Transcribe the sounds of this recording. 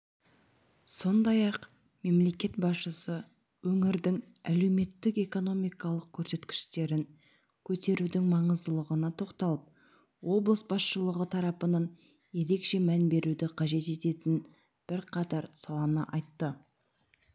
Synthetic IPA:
so̞nd̪ɑjɑq | me̞mle̞kʲe̞t̪bɑsʃəsə | wɵŋɪɾd̪ɪŋ | æle̞wme̞t̪ːɪke̞ko̞no̞mijkɑlˠəq̚kʲʰɵɾse̞t̪kʲɪ̥ʃt̪e̞ɾɪŋ | kʲʰɵt̪e̞ɾud̪ɪŋmɑɴəzd̪əlˠəʁənɑt̪ʰo̞qt̪ɑlˠəp̚ | wo̞blˠəsbɑsʃəlˠəʁət̪ʰɑɾɑpənɑn | je̞ɾe̞kʃe̞mænbe̞ɾud̪ɪqʰɑʒe̞t̪e̞t̪e̞t̪ɪn | b̥ɪɾqʰɑt̪ɑɾsɑlˠɑnəʔɑjt̪ːə

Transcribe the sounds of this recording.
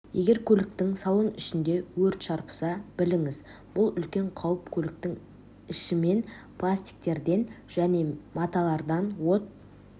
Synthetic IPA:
je̞ɡʲe̞ɾkʲʰɵlɪk̚t̪ɪŋsɑlˠənʏʃɪnd̪e̞wɵɾt̪ʃɑɾpə̥sɑb̥ɪlɪŋɪz | b̥ʊlˠʏlkʲe̞ɴqʰɑwəpkʲʰɵlɪk̚t̪ɪŋ | ɪʃɪme̞npʰlˠasʲt̪ʲi̥k̚t̪e̞ɾd̪e̞nʒ̥æne̞mɑt̪ɑlˠɑɾd̪ɑnwo̞t̪̚

